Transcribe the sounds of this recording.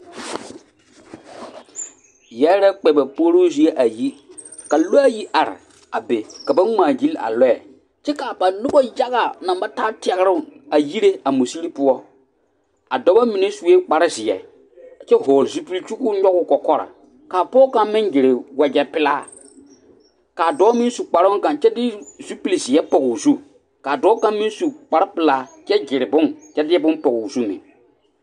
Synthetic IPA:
jɛ˦ɾɛ˦k͡pɛ˨bɛ˨po˦ɾo˦zi˦e˦ʔa˨ji˦ | ka˨lo˦a˦ji˦ʔa˨ɾɪ̰˨ | a˨be˨ka˨ba˦ŋ͡maː˨d͡ʒi˦la̰˨lɔ˦ɛ̰˨ | t͡ʃɛ˦ka˨pa˨nʊ˦bɔ˦ja˦ɣa˨nã˨mba˦ta˦tɪ˨˦ɛ˨ɣɾʊ˦˨a˨ji˦ɾe˦a˨mu˨si˦li˦pʊ˦ɔ˦ | a˨dɔ˦ba˦mi˨ne˦su˦e˦k͡pa˨ɾɪ˦zɪ˨ɛ̰˨ | t͡ʃɛ˦ɦɔː˨ɾzu˦pi˦lt͡ʃu˦kʊ˦ɲɔ˦ɡʊ˦kɔ˨kɔ˦ɾa̰˨ | kaː˨pɔː˦ka˦mmɪ˦ŋd͡ʒɪ˨ɾɪ˨wɛ˨d͡ʒɛ˨pɪ˦la̰ː˦ | kaː˨dɔ˨˦mɪ˦n˦su˨k͡pa˨ɾʊ˦kã˨nt͡ʃɛ˦dɪ˦zu˦pi˨lzɪ˨ɛ˦pɔ˨ɡu˨zu˦ | kaː˨dɔː˦ka˦mmːɪ˦su˨k͡pa˨ɾa˦pɪ˨laː˦t͡ʃɛ˦d͡ʒɪ˨ɾɪ˨bʊ˦ŋt͡ʃɛ˦dɪ˦ɛ˦bʊ˦npɔ˨ɡu˨zu˦mɪ̰˨

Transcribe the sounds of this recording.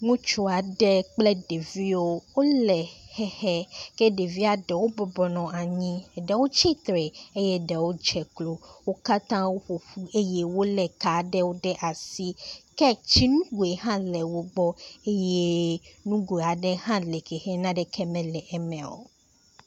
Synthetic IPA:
ŋũ˦t͡ʃo˦a˨ɖɛ˦k͡plɛ˦ɖe˨vi˦wo˦wo˦lɛ˨hɛ˦hɛ˦kɛ˦ɖe˨vi˦a˨ɖɛ˨wo˦bɔ˨bɔ˨nɔ̃˨a˨ɲĩ˦˨ɖɛ˦wo˦t͡ʃi˦t̪ɾɛ˨e˦jɛ˦ɖɛ˨wo˦d͡ʒɛ˨klo˨wo˦ka˦t̪ã˦wo˦ɸo˨ɸu˦e˦je˦wo˦lɛ˨ka˨ɖɛ˦wo˦ɖɛ˦ʔa˨si˦kɛ˦t͡ʃi˦nũ˦ɡu˨e˨ɦã˦lɛ˨wo˦ɡ͡bɔ˦e˦je˦nũ˦ɡo˨e˨a˨ɖɛ˦ɦã˦lɛ˨kɛ˨hɛ˦nã˦ɖɛ˦kʰɛ˦mɛ̃˨lɛ˨ʔɛ˨mɛ̃˨wo̰˨

